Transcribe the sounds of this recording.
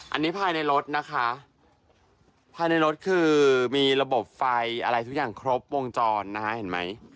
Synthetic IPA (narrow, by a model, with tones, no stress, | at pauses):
ʔa̰˧nːiː˦˥pʰaː˧jna˧jɾo˦˥t̪̚na˦˥kʰa˦˥ | pʰaː˧jna˧jɾo˦˥t̪̚kʰɯː˧miː˧ɾa˧bo˨˩p̚fa˧jʔa˧ɾa˧jt̪ʰu˦˥k̚jaː˨˩ŋkʰɾo˦˥p̚wo˧ŋt͡ɕɔː˧nːa˦˥ka˦˥he˨˩˦nma˦˥j